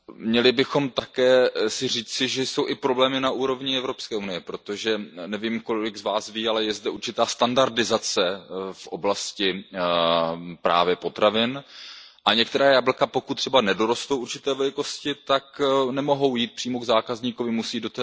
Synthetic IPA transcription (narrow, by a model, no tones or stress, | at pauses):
mɲɛlɪbɪxo̞mt̪akɛːsɪr̝iːt͡sɪʒɛjso̞wʔɪpɾo̞blɛːmɪnaʔuːɾo̞vɲɪɛvɾo̞pskɛːunɪjɛpɾo̞t̪o̞ʒɛnɛviːmko̞lɪɡzvaːsviːalɛjɛzdɛuɾt͡ʃɪt̪aːst̪andaɾdɪzat͡sɛfʔo̞blascɪ | pɾa̰ːvjɛpo̞t̪ɾavɪn | ʔaɲɛk̚t̪ɛɾaːjabl̩kapo̞kut̪t̪ːr̥ɛbanɛdoɾost̪owʔuɾt͡ʃɪt̪ɛːvɛlɪko̞scɪt̪aknɛmo̞ɦo̞wjiːt̪̚pr̥iːmoɡzaːkazɲiːkovɪmusiːdot̪ɛ